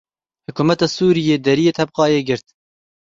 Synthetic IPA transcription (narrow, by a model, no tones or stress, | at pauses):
hʊkuːmɛt̪ɑːsuːɾijeːd̪ɛɾijeːt̪ʰɛb̚qɑːjeːɡɪɾt̪